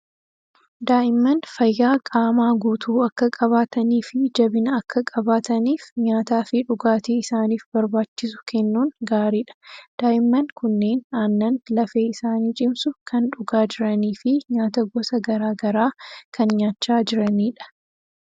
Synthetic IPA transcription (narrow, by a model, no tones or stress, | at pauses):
d̪aːʔɪmːɐnfɐjːaːkʼaːmaːɡuːt̪ʰuːɐkːɐkʼɐβaːt̪ɐniːfɪd͡ʒɐbɪnɐɐkːɐkʼɐbaːt̪ɐniːfɲaːt̪aːfɪᶑʊɡaːt̪eːɪsaːniːfbɐɾbaːt͡ʃːɪsʊ̥kʰɛnːuːnɡaːɾiːᶑɐ̥d̪̥aːʔɪmːɐnkʊnːe̞ːnaːnːɐnlɐfe̞ːɪsaːniːt͡ʃʼɪmsʊkɐnᶑʊɡaːd͡ʒɪɾɐniːfɪɲaːt̪ɐɡɔsɐɡɐɾaːɡɐɾaːkɐnɲaːt͡ʃːaːd͡ʒɪɾɐniːᶑɐ̥